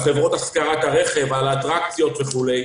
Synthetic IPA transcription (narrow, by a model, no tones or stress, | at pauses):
χe̞vʁo̞t̪askaʁat̪aʁeχe̞valːt̪ʁak̚t͡sjo̞t̪veχulej